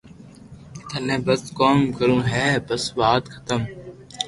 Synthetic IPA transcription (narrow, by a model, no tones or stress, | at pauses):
t̪ʰənẽːbəskoːmkəɾũːɦɛːbəsʋaːt̪kʰə̥t̪əm